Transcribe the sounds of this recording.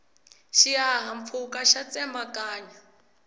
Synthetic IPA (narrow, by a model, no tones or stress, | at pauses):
ʃiaɦamp̪fʰukaʃat͡sʼɛmbakʼaːɲa